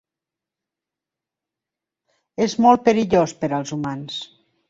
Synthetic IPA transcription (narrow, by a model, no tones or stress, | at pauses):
ezmɔlˠt̪̚pəɾiʎospəɾəlˠzumans